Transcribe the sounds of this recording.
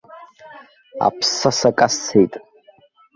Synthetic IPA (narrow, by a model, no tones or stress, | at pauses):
a̰pʰsasakʼasʰejtʼ